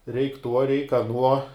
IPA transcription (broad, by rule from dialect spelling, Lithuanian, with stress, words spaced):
rʲɛɪkʲ ˈtuɔ rʲɛɪk ɐˈnuɔ